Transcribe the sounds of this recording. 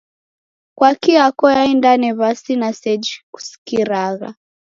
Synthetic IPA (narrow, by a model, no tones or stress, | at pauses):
kwakiakɔjaindanɛβasinasɛd͡ʒiku̥si̥kiɾaɣa̰